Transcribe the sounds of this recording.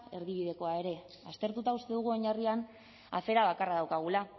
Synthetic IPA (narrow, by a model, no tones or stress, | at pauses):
e̞ɾð̞iβ̞ið̞e̞ko̞ae̞ɾe̞ | ast̪e̞ɾt̪ut̪aust̪e̞ðuɣ̞uo̞ɲarian | a̰fe̞ɾaβ̞akaraðawkaɣ̞ula